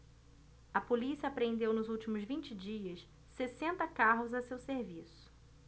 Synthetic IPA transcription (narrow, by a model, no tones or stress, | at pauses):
ɐpolisiɐaːpɾẽnd̪ewnʊzuwt͡ʃimʊzvĩnt͡ʃɪd͡ʒiɐsː | esẽnt̪ɐkaɦʊzɐsewseɾvisʊ̥